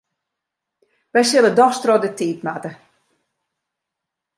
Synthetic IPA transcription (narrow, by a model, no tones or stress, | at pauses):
ʋɛjsɪlˠədɔxstrɔdətiːtmatə